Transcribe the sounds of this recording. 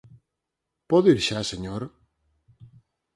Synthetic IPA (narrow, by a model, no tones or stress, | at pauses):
pɔðiɾʃaseɲoɾ